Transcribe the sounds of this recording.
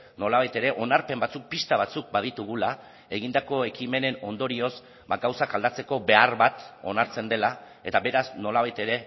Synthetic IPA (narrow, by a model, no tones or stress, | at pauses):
no̞laβ̞ajt̪e̞ɾe̞ʔo̞naɾpe̞mbat͡suk̚pist̪aβat͡suk̚baðit̪uɣ̞ula | e̞ɣ̞ind̪ako̞e̞kime̞ne̞no̞nd̪o̞ɾio̞s | baɡawsakald̪at͡se̞ko̞be̞arβat̪o̞̰naɾt͡se̞nd̪e̞la | e̞t̪aβe̞ɾasno̞laβajt̪e̞ɾe̞